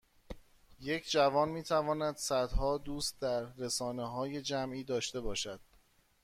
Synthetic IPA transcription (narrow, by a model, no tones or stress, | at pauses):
je̞cʰd͡ʒævɒːnmiːt̪ʰævɒːnæd̪sæd̪hɒːd̪uːst̪̚d̪æɾːesɒːneɦɒːje̞d͡ʒæmʔiːd̪ɒːʃt̪e̞bɒːʃæd̪̥